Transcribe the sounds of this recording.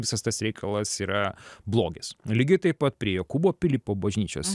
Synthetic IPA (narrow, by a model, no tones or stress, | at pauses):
ʋʲɪsɐst̪ɐsɾʲɛɪkʰɐlˠɐsiːɾɐblˠoːɡʲɛslʲɪɡʲɪt̪ɐɪppɐt̪̚pʲɾʲiɛjɛkuboːpʲɪlʲiːpoːbɐʒʲnʲiːt͡ʃʲo̰ːs